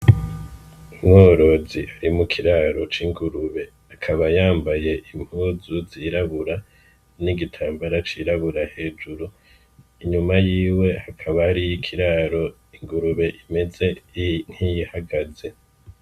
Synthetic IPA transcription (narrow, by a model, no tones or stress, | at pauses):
umoːɾo̞ziʔaɾimukʰiɾaːɾo̞t͡ʃiŋɡuɾuβe̞ | akʰaβajaːmbaje̞ʔim̥huːzuziːɾaβuɾa | niɡitʰaːmbaɾat͡ʃiɾaβuɾahe̞ːd͡ʒuɾu | iɲumajiːwe̞hakʰaβaːɾijikʰiɾaːɾo̞ | iŋɡuɾuβe̞ʔime̞ze̞n̥hijihaɡaze̞